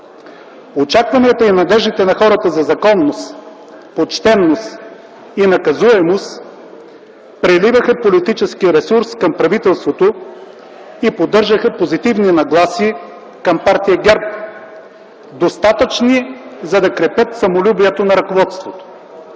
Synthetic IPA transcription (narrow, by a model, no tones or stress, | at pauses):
ot͡ʃakvɐniət̪əinɐd̪ɛʒd̪it̪ɛnɐxɔɾət̪əzɐzɐkɔnːos | pot͡ʃt̪ɛnːost̪ | inɐkɐzuɛmost̪ | pɾɛlivəxəpolit̪it͡ʃɛskiɾɛsuɾskɐmpɾɐvit̪ɛlˠst̪vot̪o | ipod̪ːɤɾʒəxɐpozit̪ivninɐɡlˠasiː | kɐmpaɾt̪ijɐɡʲɛɾp | d̪ost̪at̪ət͡ʃnizɐd̪ɐkɾɛpʲət̪sɐmolʲubiɛt̪onɐɾɐkovɔt̪st̪vot̪o̥